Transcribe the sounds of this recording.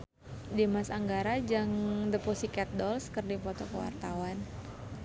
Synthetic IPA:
demasaŋɡaɾad͡ʒaŋdəpɔsikɛt̪̚dɔlskərdipɔt̪ɔkəwa̰rt̪awan

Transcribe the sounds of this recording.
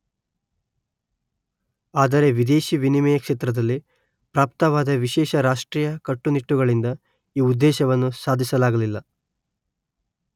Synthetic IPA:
aːd̪ɐɾe̞ʋid̪e̞ːʃiʋinimɛjɐkʂeːt̪ɾɐd̪ɐlːi | pɾaːp̚t̪ɐʋaːd̪ɐʋiʃɛːʃɐɾaːʂʈɾiːjɐkɐʈːuniʈːuɡɐɭind̪ɐ | iːud̪ːɛːʃɐʋɐnːusaːd̪ʱisɐlaːɡɐlilːɐ

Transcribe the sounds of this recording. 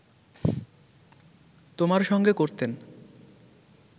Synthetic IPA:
t̪omaɾʃɔŋɡekoɾt̪en

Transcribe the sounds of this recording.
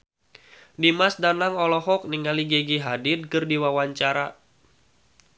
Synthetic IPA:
dimasdanaŋɔlɔɦɔk̚niŋaliɡɛɡiɦadɪd̚kɨrdiwawaɲt͡ʃaɾa

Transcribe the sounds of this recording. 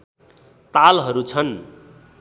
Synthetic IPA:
t̪alɦʌɾut͡sʰʌn

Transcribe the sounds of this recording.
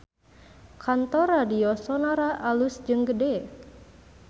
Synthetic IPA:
kʰant̪ɔradiɔsɔnaɾaʔalusd͡ʒɨŋɡədɛ

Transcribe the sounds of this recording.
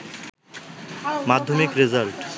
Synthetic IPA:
mad̪ʱːomikɾezalʈ

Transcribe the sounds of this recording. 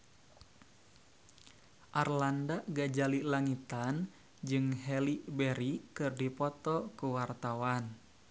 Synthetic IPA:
ʔarlandaʔɡad͡ʒalilaŋit̪an | d͡ʒɨŋɦɛlibɛɾikɨrdipɔt̪ɔkuwart̪awan

